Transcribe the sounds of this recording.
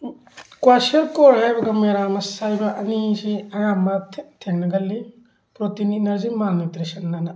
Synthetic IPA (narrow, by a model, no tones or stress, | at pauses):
kwasɐɾkɔɾhajbɐɡɐmeɾamɐsajbɐʔɐnisiɐjambɐtʰeŋnɐɡɐlːi | pɾotininɐɾzimanitɾisɐnːana